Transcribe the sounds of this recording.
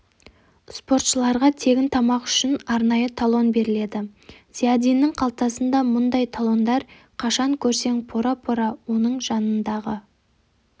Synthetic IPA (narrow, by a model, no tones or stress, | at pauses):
spo̞rt̪ʃəlˠɑɾʁɑt̪ʰe̞ɡʲɪnt̪ʰɑmɑqʏ̥ʃɪnɑɾnɑjət̪ʰalˠo̞nbe̞ɾɪle̞d̪ɪz̥iad̪ijnɪŋqʰɑlˠt̪ɑsənd̪ɑmʊnd̪ɑjt̪ʰalˠo̞nd̪ɑɾ | qʰɑʃɑŋkʲʰɵɾse̞ŋpʰoɾapʰo̞ɾawo̞nəɴʒɑnənd̪ɑʁə